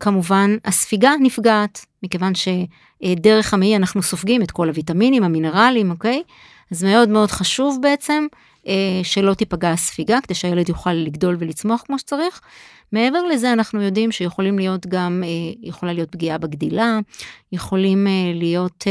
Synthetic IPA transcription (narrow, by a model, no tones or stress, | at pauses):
kamuvanasfiɡanifɡaːtmike̞vanʃe̞ | de̞ʁe̞χameianaχnuso̞fɡimetko̞lavitaminimhamine̞ʁalimoke̞j | azme̞o̞dmeo̞dχaʃuvbe̞et͡se̞m | ʔeʃe̞lo̞tipaɡasfiɡakedejʃeajele̞djuχalːiɡdo̞lvelit͡smo̞aχkmo̞ʃe̥t͡saʁiχ | mee̞ve̞ʁle̞ze̞anaχnujo̞dimʃejeχo̞limlijo̞tɡamejeχo̞lalijo̞t̚bɡiabeɡdilajeχo̞limlijo̞t